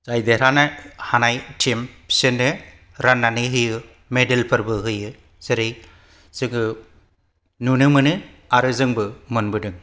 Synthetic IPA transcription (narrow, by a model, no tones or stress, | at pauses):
zajdeɾanahanajtʰimpsɯndɯ | ɾanːanɯɦɯjɯ | medelpʰɯɾbɯɦɯjɯ | z̥ɯɾej | z̥ɯŋɯ | nunɯmɯnɯ | aɾɯzɯŋbɯmɯnbɯdɯŋ